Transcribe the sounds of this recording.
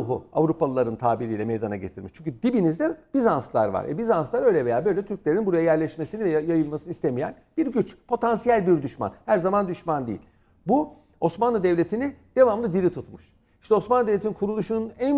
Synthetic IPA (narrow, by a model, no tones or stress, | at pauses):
ɦṵa̰vɾupalˠlˠaɾɯnt̪ʰaːbiɾijlʲɛmejd̪anaɟe̞t̪ʰiɾmiʃt͡ʃʰyɲcʰyd̪ibinizd̪ɛb̥izanslˠa̰ɾva̰ɾɛ̰bizanslˠaɾø̞jlʲɛve̞jaːbø̞jlʲɛt̪ʰyɾc̚lʲe̞ɾinbuɾajajæɾlʲɛʃme̞sinivɛjajɯlˠmasɯnɯist̪emijæ̰nb̥iɾɟyt͡ʃpʰo̞t̪ʰansijælʲbiɾd̪yʃma̰nhæɾzamand̪yʃmand̪ḭḭlʲ | bu | o̞smanlˠɯd̪ɛvlʲe̞t̪ʰinid̪̥e̞vamlˠɯd̪iɾit̪ʰut̪muʃ | iʃt̪ɛo̞smanˠd̪evlʲet̪ʰininkʰuɾulˠuʃununæn